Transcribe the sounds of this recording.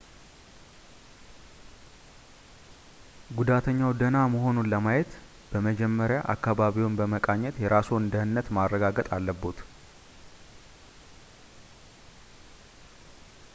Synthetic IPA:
ɡud̪at̪ʰəɲːawd̪ənaməɦo̞nunləmajɛt̪ | b̥əməd͡ʒɛmːəɾjaʔa̰kːaβaβiwonbəməkʼaɲːɛt̪jɛɾasund̪əhɨnːət̪marːəɡaɡət̪ʼalːəbːot̪

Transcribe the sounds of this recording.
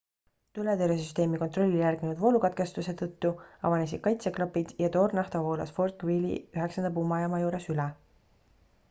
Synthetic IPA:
t̪ylet̪eɾesyst̪e̞ːmiko̞nt̪ro̞lʲːijærɡ̥inud̪vo̞lukɑt̪̚ke̞st̪use̞t̪ɤt̪ːuɑ̰vɑnes̬id̪̥kɑjt̪seklopːid̪̥jɑt̪o̞ːrnɑht̪ovo̞ːlɑ̰sfo̞rt̪kvilḭyɦeksɑnd̪̥ɑpumɑjɑmɑjuːɾe̞sylɛ

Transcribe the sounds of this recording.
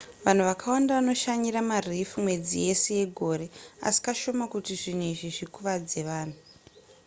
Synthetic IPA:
ʋan̤uʋakʰawandaʋano̞ʃaɲiɾamarifumwe̞d͡zije̞seje̞ɡʱo̞ɾe̞a̰si̥kaʃo̞makutiʐin̤weʐiʐikuʋad͡ze̞ʋaːn̤u

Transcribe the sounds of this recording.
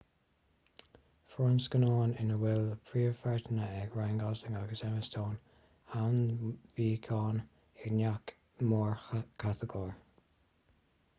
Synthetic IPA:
fɹɔnskənɔːnɪnəwɪləpʰɹiːəfɛɹtənəɛɡɹajnɡɔzɪŋaɡəsɛməstʰoːn | awnviːkʰɑːn | ɪɹnak | mɔːɹkʰat̪əɡɔːɹ

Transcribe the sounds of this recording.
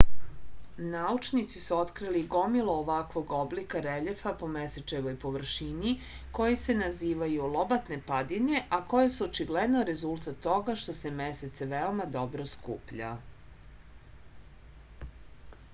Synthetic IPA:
naut͡ʃnit̪sisuo̞t̪kɾiliɡo̞milˠo̞ːʋakʋo̞ɡo̞blikaɾeʎefapo̞meset͡ʃeʋo̞jpo̞ʋr̩ʃini | ko̞jese̞naziːʋajulˠo̞bat̪ne̞pad̪ine̞ʔako̞jesuot͡ʃiɡled̪no̞ɾe̞zulˠt̪at̪ːo̞ɡaʃt̪o̞se̞meset̪seʋeo̞mad̪o̞bɾo̞skṵːpʎa̰

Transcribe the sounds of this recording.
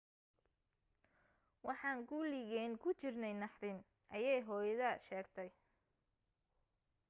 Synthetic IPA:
wɑħɑːŋɡuːlɪɣɛːnkʰʊt͡ʃɪrnɛjnɑħðɪn | ʔɐjɛjɦɔːjɐðɐʃɛːɡt̪ʰɛj

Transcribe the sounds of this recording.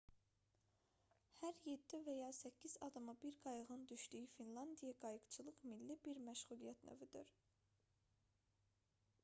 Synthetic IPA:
hæɾje̞d̪ːivæjɑːsæcʰːiz̥ɑd̪ɑmɯbiɾɡɑjɯʁɯnd̪yʃd̪yjyfinlˠɑnd̪ijɑɡɑjɯɡt͡ʃʰɯlˠɯʁmilːibiɾmæʃʁulˠijæt̪nø̰vyd̪yɾ

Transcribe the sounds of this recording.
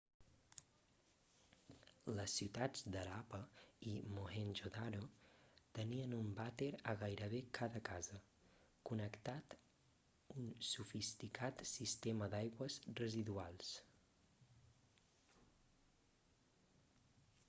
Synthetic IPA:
ləsːiwt̪ad͡zd̪əɾapəimoenʒoðaɾot̪əniənumbat̪eɾəɣajɾəβekʰaðəkazə | kunəkt̪at̪ | unsufist̪ikʰat̪sist̪eməd̪ajɣwəzrəziðualˠs

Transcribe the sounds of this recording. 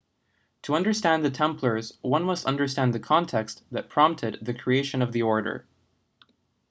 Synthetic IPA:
tʰəʌ̃ndə˞stæ̃nðɨtʰɛ̃mpʰlˠə˞zwʌ̃nmʌstʌ̰̃ndə˞stæ̃nðɨkʰɑ̃ntʰɛksðɨt̚pʰɹ̥ɑ̃mp̚tʰɨd̪̚ðɨkʰɹ̥ieɪʃɨ̃nʌvðiɔɹɾə̰˞

